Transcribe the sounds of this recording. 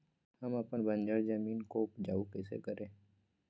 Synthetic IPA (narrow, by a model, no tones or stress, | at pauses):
hɐmɐpənbə̃nd͡ʒəɾzəmiːnkoːpd͡ʒaːukɛːsḛkəɾẽː